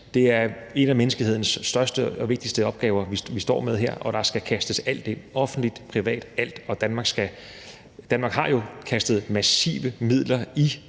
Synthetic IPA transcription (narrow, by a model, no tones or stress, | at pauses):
d̥e̝æɐe̝næmenəsɡ̥lihe̝ð̰ˠnəsːd̥ɶɐsd̥əɒ̽ʋe̝ɡ̥̚d̥isd̥əɒ̽b̥̚ɡ̥ɛːʊɐʋisʋisd̥ɒ̰ːmeð̞ˠɦeɐ̰ʔɒ̽ɾ̥ɑ̈sɡ̥ækʰæsd̥əsæl̰d̥e̝ɒ̽fn̩d̥lid̥pʰʁiʋɛ̰ːd̥æl̰d̥ɒ̽d̥ænmɑ̈ːɡ̥sɡ̥æ | d̥ænmɑ̈ːɡ̥hɑ̈jo̝kʰæsd̥ð̞̩ˠmæsḭːʋəmið̰ˠlɐi